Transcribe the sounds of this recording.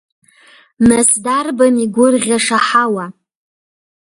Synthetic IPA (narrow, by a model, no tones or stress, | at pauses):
nasdarbamiɡʷʊrʁʲaʂaħawa